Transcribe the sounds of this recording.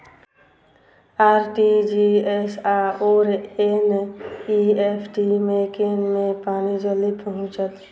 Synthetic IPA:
aɾʈid͡ʒiesaoɾeniepʰʈimekenmẽpaːnid͡ʒəlipəɦʊ̃t͡ʃət̪

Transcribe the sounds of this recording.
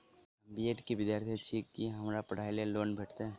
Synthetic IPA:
ɐmbieːʈkiʋɪd̪jaːɾt̪ʰit͡ʃʰiːkːiɦɐmɾapɐɽ̤aːileloːnbʱeːʈʰt̪eɦɛ̃ː

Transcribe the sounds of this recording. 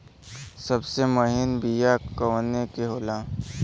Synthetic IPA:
sɐbsemʊɦɪnbijakənekeɦoːlãː

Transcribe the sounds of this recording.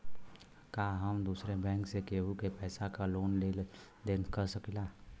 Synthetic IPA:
kaːɦəmd̪uːsɾebɛ̃ːŋksekeːɦukepɛɪsakaloːnlel | d̪enkəɾsəkilaː

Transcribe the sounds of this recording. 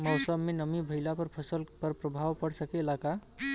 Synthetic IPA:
mʌwsəbmenəmibʱəɪlapəɾpʰəsəlpəɾpɾəbʱawpəɽsəkeːlaka

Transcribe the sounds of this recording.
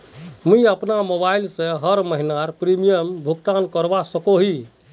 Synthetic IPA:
muiəpnamobailsẽɦəɾməɦinaɾpɾimijəmbʱukt̪ankəɾbasəkoɦi

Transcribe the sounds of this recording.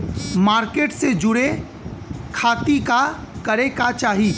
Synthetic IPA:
maːɾkeːʈsed͡ʒʊɽe | kʰaːt̪ika | kɐɾekat͡ʃaːɦi

